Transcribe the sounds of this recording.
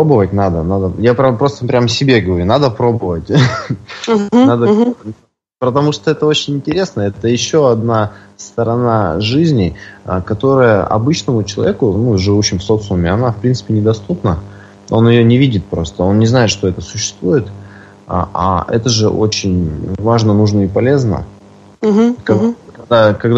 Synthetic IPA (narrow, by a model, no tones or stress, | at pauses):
pobəvət̚ʲnad̪ənad̪əjapɾʲapɾo̞st̪əpɾʲaməsʲɪbʲe̞ɡəvɐɾʲunad̪əpɾo̞bəvətʲ | ad̪ə | pət̪ɐmuʂt̪oɛt̪əo̞t͡ɕɪnʲɪnʲtʲɪɾʲe̞snəɛt̪əjɪɕːo̞ɐd̪nast̪əɾɐnaʐɨzʲnʲɪəkɐt̪o̞ɾəjəʔɐ̰bɨt͡ɕnəmʊt͡ɕɪlˠɐ̰vʲekʊnuʐɨvuɕːɪmfso̞t̪smʲɪɐnafpɾʲint̪sɨ̥pʲɪnʲɪd̪ɐst̪upnə | o̞njɪjonʲɪvʲidʲɪt̪̚pɾo̞st̪əo̞nnʲɪznaɪt̪ʂt̪o̞ɛt̪əsʊɕːɪ̥st̪vujɪt̪ | a̰a̰ɛ̰t̪əʐɨ̰ʔo̞̰t͡ɕɪnʲvaʐnənuʐnəɪpɐlʲe̞znə̰ | kɐkɐɡ̚d̪akɐɡd̪